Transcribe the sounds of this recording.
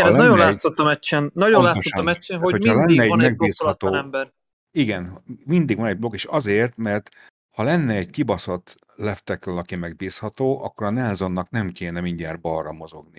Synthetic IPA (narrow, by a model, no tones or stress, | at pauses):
ɛnɛlznɒjonlːsot̪ːɒmɛt͡ʃːɛnnɒɟonlaːt̪sːoamɛt͡ʃːɛnɦohohɒlɛnːɛːɟmɛɡ̚biːslɒt̪oːɛmbɛr | iɡɛnmind̪iɡʋɒnɛɟ̚blo̞ɡeːʃɒzeːrt̪mɛrt̪ | hɒlɛnːɛːɟkibɒsot̪ | lɛft̪ɛkɒlɒkimɛɡ̚biːshɒt̪oːʔɒkːo̞ɾɒnɛlzo̞nːɒknɛmkeːnɛmiɲɟaːrbɒrːɒmo̞zo̞ɡni